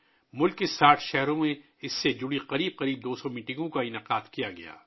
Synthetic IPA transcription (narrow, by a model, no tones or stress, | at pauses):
mʊlkːɪsaːʈʰʃɛɦɾõmẽ | ɪsːed͡ʒʊɽiqɐɾiːb̚qɐɾiːb̚d̪oːsɔmiːʈɪ̃ŋɡõkaɪnaqaːd̪kijaɡɐ̰ja̰ː